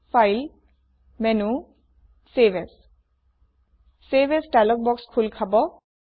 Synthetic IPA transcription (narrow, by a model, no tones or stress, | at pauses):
fʰajl | mɛnu | sebɛs | sebɛsdalɔk̚bɔkskʰulkʰabɔ